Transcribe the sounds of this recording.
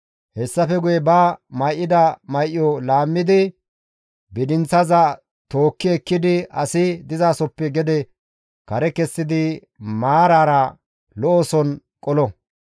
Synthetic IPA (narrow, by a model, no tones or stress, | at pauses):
hɛsːɐfɛɡʊjɛbaːmɐjʔːɪd̪ɐmɐjʔɪjɔlaːmːɪd̪ɪ | bɪd̪ɪnt͡sːɐzɐ | t̪oːkːɪɛkːɪd̪ɪɐsɪd̪ɪzaːsɔpːɛɡɛd̪ɛ | kɐɾɛkɛsːɪd̪ɪ | maːɾaːɾɐ | lɔɔsɔn | kʼɔlɔ